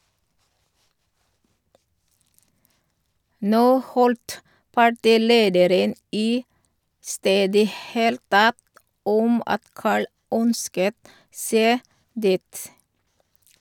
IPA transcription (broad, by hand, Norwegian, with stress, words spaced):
ˈnoː ˈhɔlt pɑˈʈiːˌleːdəɾən ˈiː ˈsteːdə ˈheːlt ˈtɛt ˈɔm ˈɑt ˈkɑːɭ ˈœnskət ˈseː ˈdiːt